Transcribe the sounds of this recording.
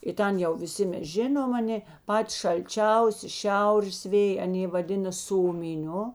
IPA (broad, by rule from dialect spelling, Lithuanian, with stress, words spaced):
ɪ ˈtʲɛn jɛʊ ʋʲɪˈsʲɪ ˈmʲɛs ˈʒʲɪnoːm ɐˈnʲeː ˈpɑːtʲɪ ʃɐlʲˈt͡ʃʲɛʊsʲɪ ˈʃʲɛʊrʲeːs ˈʋʲeːj ɐˈnʲeː ʋɐˈdʲɪnɐ ˈsoːmʲɪˌnʲʊ